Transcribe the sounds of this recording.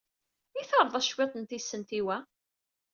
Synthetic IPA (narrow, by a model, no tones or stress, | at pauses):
iθəɾˤðˤæʃwet̪ˤənt̪isːənt̪iwæ